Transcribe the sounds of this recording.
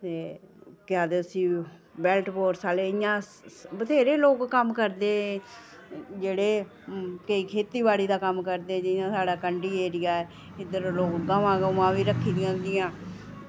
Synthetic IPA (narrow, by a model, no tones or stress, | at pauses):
t̪eːkaːd̪eːəsĩːbɛːlʈboːɾsaːleːɪjãːbət̪ʰeːɾeːloːkkəmkəɾd̪eː | d͡ʒeːɽeː | kəiːkʰeːt̪iːbaːɽiːd̪aːkəmkəɾd̪eːd͡ʒɪjãːsaːɽaːkəɳɖiːeːɾɪjaːɛː | ɪd̪əɾloːkɡəʋãːɡəʋãːʋiːɾəkʰːiːd̪ɪjãːd̪ɪjãː